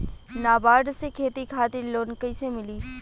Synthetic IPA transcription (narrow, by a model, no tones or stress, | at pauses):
naːbaːɖ̪sekʰeːt̪ikʰaːt̪ɪɾloːnkəɪsemɪliː